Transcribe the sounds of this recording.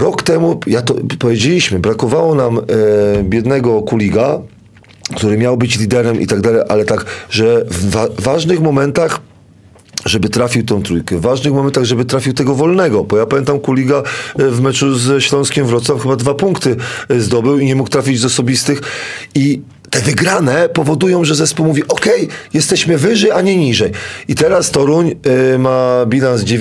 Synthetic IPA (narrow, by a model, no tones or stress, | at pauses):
ɾɔkt̪ɛmujat̪ɔpɔvʲjed͡ʑelʲiɕmɘbɾakɔvawɔnam | bʲjɛd̪nɛɡɔkulʲiɡa | kt̪uɾɘmʲjawbɘt͡ɕlʲid̪ɛɾɛmʔḭt̪aɡd̪alɛjʔa̰lɛt̪aɡʐɛvaːaʐnɘxmɔmɛnt̪ax | ʐɛbɘt̪ɾafʲiwt̪ɛ̃w̃t̪ɾujkɛvːaʐnɘxmɔmɛnt̪aɣʐɛbɘt̪ɾafʲiwt̪ɛɡɔvɔlnɛɡɔbɔjapamʲjɛnt̪amkulʲiɡavmɛt͡ʂuzɕlɔ̃w̃skʲɛmvɾɔt̪swafxɘbad̪vapuŋkt̪ɘzd̪ɔbɘwiɲɛmukt̪ɾafʲid͡ʑzɔsɔbʲist̪ɘxi | t̪ɛvɘɡɾanɛpɔvɔd̪ujɔ̃w̃ʐɛzɛspuwmuvʲiʔɔkɛjjɛst̪ɛɕmɘvɘʐɛjaɲɛɲiʐɛjʔit̪ɛɾast̪ɔɾuɲmabʲilanzd͡ʑe